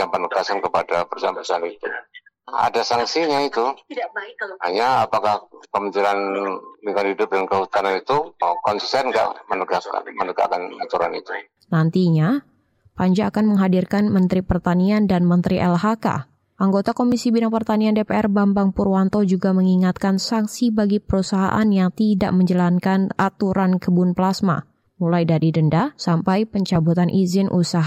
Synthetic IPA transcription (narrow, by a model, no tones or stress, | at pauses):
apənəɡasankəpadapərsaanpərsaanit̪u | a̰dasaŋsiɲait̪u | haɲaːpakahkəmət͡ʃiɾanliŋkanhidʊp̚dankəɦut̪ananit̪ukɔnsi̥st̪ɛnɡa̰ʔmənəɡaka̰mənəɡa̰kanat̪uɾanit̪u | nant̪iɲa | paɲd͡ʒaːkanməŋɦadirkanmənt̪ɾipərt̪aniandanmənt̪ɾiʔɛlɦaka̰ | ʔaŋɡot̪akomisibinaŋpərt̪aniandepeɛrbambaŋpurwant̪od͡ʒuɡaməŋiŋat̪̚kansaŋsibaɡipəɾusaɦa̰ʔanjaŋt̪ida̰ʔməɲd͡ʒəlankanat̪uɾankəbunplasma̰ | mulajdaɾidəndasampajpəɲt͡ʃabut̪anʔizɪnʔusaɦa